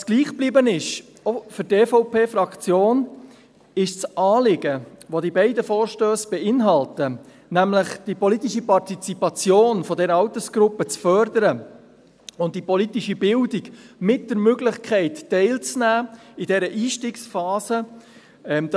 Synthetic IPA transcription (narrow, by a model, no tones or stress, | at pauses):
sɡ̥liːχb̥libənɪʃ | ofʏɾteːfoʊpʰeːfɾɑkt͡sjoːn | ɪʃt͡sʔɑːlɪɡəʋodibɛɪdəfoːɾʃtøːsb̥ɛɪnɦɑltə | næmlɪχd̥ipɔlitiʃipɑrtit͡sipɑt͡sjoːnfɔdɛɾəɑwtəsɡ̥ɾʊpːət͡sfœɾdəɾə | ʊnt̚d̥ipɔlitiʃibɪldɪkmɪt̚d̥əɾmøɡlɪχkʰɛɪtːɛɪlt͡snæːɪdɛɾəʔiːʃtiːksfɑːsə | ɛmd̥